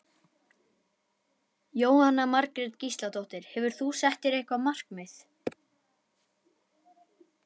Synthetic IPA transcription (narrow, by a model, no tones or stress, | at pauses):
joːwhanːamaɾkɾɛɾt̪cist̪lat̪owht̪ɪɾ̥hɛvʏɾ̥θusɛht̪ɪɾejhkvamar̥kmɪθ